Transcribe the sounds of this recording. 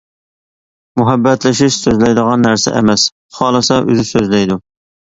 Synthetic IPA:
muɦɛbːɛt̪lɪʃiʃsøzlɛjd̪əʁɑnːæɾsɛ̰ʔɛ̰mɛs | χɑːlˠɨsɑʔø̰zɪsøzlɛjd̪u

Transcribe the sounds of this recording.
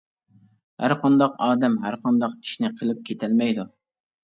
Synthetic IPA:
hæ̰ɾqʰɑnd̪ɑqɑːd̪ɛmɦæɾqʰɑnd̪ɑqi̥ʃnɪqʰəlˠɪp̚kʲʰet̪ʰælmɛjd̪u

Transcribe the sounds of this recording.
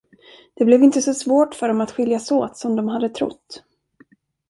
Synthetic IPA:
d̪̥ɛblɛvɪnt̪əsɔsvoːʈfœɖɔmat̪ɧɪljasoːt̪sɔmd̪ɔmɦad̪ːət̪ʰɾʊ̰t̪ː

